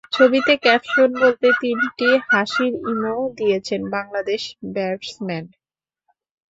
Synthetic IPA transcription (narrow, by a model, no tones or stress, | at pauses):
t͡ɕʰobit̪ekɛpʃonbolt̪et̪inʈihaʃiɾimod̪ijet͡ɕʰenbaŋlad̪eʃbɛɾsmɛn